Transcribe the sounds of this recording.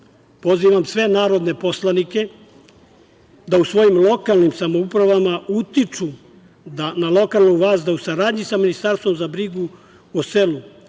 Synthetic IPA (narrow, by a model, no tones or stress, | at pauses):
po̞ziːʋamsʋe̞naːɾo̞d̪ne̞po̞slˠanike̞ | d̪ausʋo̞jimlˠo̞kalnimsamoupɾaʋamaut̪it͡ʂu | d̪analˠo̞kalˠnuʋaːzd̪ausaɾaːd̪ɲisaminist̪aɾst̪ʋo̞mzabɾiɡu | ose̞lu